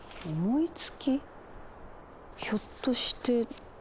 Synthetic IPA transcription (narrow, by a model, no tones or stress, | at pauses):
omoit͡sɨ̥kʲi | çot̪ːo̞ɕi̥t̪e̞